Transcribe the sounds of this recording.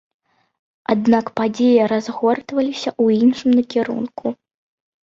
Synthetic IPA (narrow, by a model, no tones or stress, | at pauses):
ad̪̚nakpad͡zʲejɐɾazɣɔrt̪vɐlʲisʲɐʔuinʂɨmnɐkʲɛɾṵnkʰu